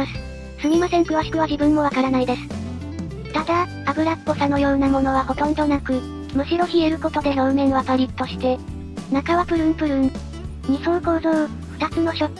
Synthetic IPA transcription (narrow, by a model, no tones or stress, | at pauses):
asɨ̥ | sɨɲʲimasẽ̞ŋkɯ̟βaɕi̥kɯ̟βaʑibɯ̟̃mːo̞β̞akaɾanaid̪e̞sɨ̥ | t̪ad̪aː | bɯ̟ɾakːo̞sano̞jo̞ːnamo̞no̞βaho̞t̪õ̞nd̪o̞nakɯ̟ | mɯ̟ɕiɾo̞çie̞ɾɯ̟ko̞t̪o̞d̪e̞no̞ɯ̟me̞noapaɾʲit̪ːo̞ɕi̥t̪e̞ | nakaβapɯ̟ɾɯ̟̃mpɯ̟ɾɯ̟̃n | ɲisõɰko̞ːzo̞ː | ɸɯ̟̥t̪at͡sɨno̞ɕo